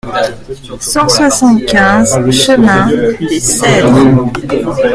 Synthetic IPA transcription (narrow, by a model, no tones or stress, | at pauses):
sɑ̃swasɑ̃t̪kʲɛ̃zʃəmɛ̃d̪esɛd̪